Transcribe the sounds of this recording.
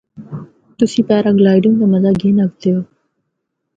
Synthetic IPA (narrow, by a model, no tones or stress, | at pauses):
t̪usipaːɾaɡlaːjɖuŋd̪ɐmɐzaɡeːnɐɡt̪eoː